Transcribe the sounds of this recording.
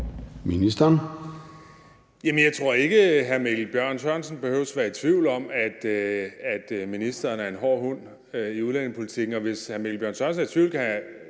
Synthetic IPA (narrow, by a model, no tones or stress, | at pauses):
minisd̥ɐn | jæmənjɑ̈ɪt͡sʰʁo̝ɐ̰e̝ɡ̥əɦæɐmelb̥jɶɐ̰nsʰɶɐnsən̩b̥e̝høʊəsʋæːɐit͡sʰʋiʊlɒ̽mæd̥æd̥minisd̥ɐːnæɐe̝nɦɒ̰ːɦɔn̰ | iuðˠlæn̰e̝ŋpʰo̝lit͡sʰiɡ̥n̩ɒ̽ʋe̝shæɐmelb̥jɶɐnsʰɶɐnsn̩æɐt͡sʰʋiʊ̰lkʰæ